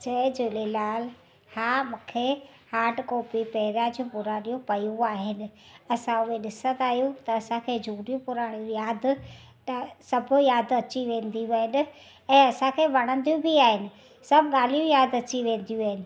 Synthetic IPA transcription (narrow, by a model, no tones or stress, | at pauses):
d͡ʑɐd͡ʑoːlelaːl | haːmũːkʰe | haːʈkɔːpipɛɦɪɾad͡ʑiũpʊɾaːɽ̃ijũpɐjũaːɦɪnɪ̆ɐsãʊeɗɪsə̃nd̪aːɦijũt̪ɐːsãkʰeːd͡ʑʱuːɽijũpʊɾaːɽ̃ijũjaːd̪ | t̪ɐsɐbʱʊ̆jaːd̪ɐt͡ɕiʋẽːn̆d̪iʋɐɦɪnɪ̆ | ɛ̃ːɐsãkʰeːʋɐɽ̃ə̃nd̪ijũbʱiaːɦɪnɪ̆ | sɐbʱɠaːl̤ijũjaːd̪ɐt͡ɕiʋẽːn̆d̪ijũaːɦɪnɪ̆